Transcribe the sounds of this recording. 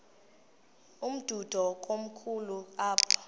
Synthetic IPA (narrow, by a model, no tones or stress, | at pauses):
um̩d̥ʱud̥ʱɔk̬ʼom̩kʰuluaːpʰḁ